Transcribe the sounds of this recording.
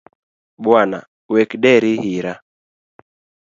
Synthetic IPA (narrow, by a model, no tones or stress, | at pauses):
bwana̰ | wɛkdɛɾihiɾa